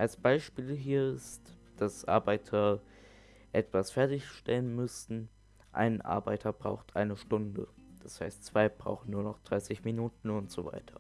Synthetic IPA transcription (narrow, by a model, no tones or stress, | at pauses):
ʔalsb̥aɪʃpiːlɦiːɐɪstd̥asʔa̰ɐbaɪtʰɐ | ʔɛtv̥asfɛɐtɪçʃtɛlənmʏstn̩ | ʔa̰ɪnʔa̰ɐbaɪtʰɐbʁa̰ʊxtʔaɪnəʃtʊndəd̥ashaɪstt͡sv̥aɪb̥ʁa̰ʊxn̩nuːɐnɔχd̥ʁaɪsɪçminuːtn̩ʊntz̥oːva̰ɪtʰɐ̥